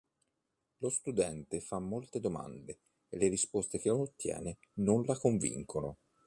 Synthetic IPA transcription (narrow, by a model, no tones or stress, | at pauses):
lost̪ud̪ɛnt̪efamːolt̪ed̪oma̰nd̪eː | lːeɾispost̪ek̟eonot̪ːjɛ̰ːne | nonlakoɱvḭŋkono